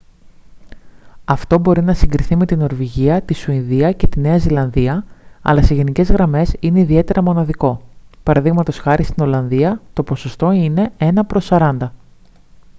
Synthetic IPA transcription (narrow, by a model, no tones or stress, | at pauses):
ɐft̪o̞bo̞ɾinɐsiŋɡɾiθime̞t̪ino̞ɾviʝiɐt̪isuinðiɐce̞t̪ine̞ɐzilɐnðiɐɐ̰lɐse̞ʝe̞nice̞zɣɾɐme̞sine̞iðie̞t̪e̞ɾʔɐmo̞nɐðiko̞pɐɾɐðiɣmɐt̪o̞sxɐɾist̪ino̞lɐnðiɐt̪o̞po̞so̞st̪o̞ine̞e̞nɐpɾo̞sɐɾɐnd̪ɐ